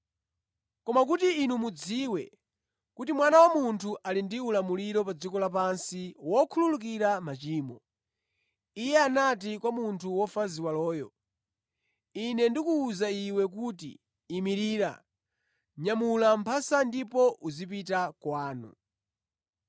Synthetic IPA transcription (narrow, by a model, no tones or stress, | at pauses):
kɔmakutiːnumud͡ziːwɛ | kutimwanawamuntʰuʔalindiulamuliɾɔpad͡zikɔlap̬ansiwɔkʰululuk̬iɾamat͡ʃiːmɔ | ijɛanatikwamuntʰuwɔfaziwalɔːjɔ̰ | inɛndikuːzaiwɛk̬uːtḭː | miɾiːɾa̰ | ɲamulam̩pʰasandipɔʔuzip̬itakwaːnṵ